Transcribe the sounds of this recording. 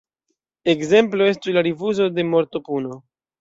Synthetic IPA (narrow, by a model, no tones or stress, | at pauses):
e̞kze̞mplo̞e̞stuslaɾivuzo̞de̞mo̞ɾto̞puno̞